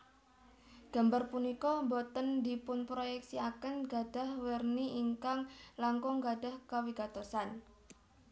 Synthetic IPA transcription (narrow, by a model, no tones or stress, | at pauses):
ɡ̥a̤mbarpunikɔmbɔt̪əndipʊnpɾojɛk̚siakənɡad̥a̤hwərniiŋkaŋlaŋkɔŋɡada̤hkawiɡ̥a̤t̪osan